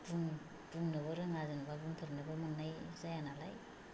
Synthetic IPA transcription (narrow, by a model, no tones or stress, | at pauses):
bun | bunːɯβɯɾɯŋazɯnbabuntʰɯɾnɯbɯmɯnːajzajanalaj